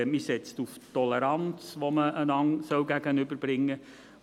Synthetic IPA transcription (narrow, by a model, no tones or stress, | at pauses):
misɛt͡stuftɔlɛɾant͡sʋoməʔənɑŋsœwɡæɡənʏbəɾb̥ɾɪŋːə